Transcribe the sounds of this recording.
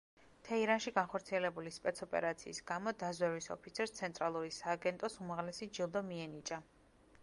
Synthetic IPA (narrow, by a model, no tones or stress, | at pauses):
t̪ʰɛiɾanʃiɡanχɔɾt̪sʰiɛlɛbulispʼɛt̪sʰɔpʼɛ̰ɾat̪sʰḭːsɡ̥amɔd̪azwɛvisɔ̰pʰit̪sʰɛɾst̪sʰɛnt̪ʼɾalˠuɾisaːɡɛnt̪ʼɔsumaʁlɛsid͡ʒilˠd̪ɔmiɛnit͡ʃʼa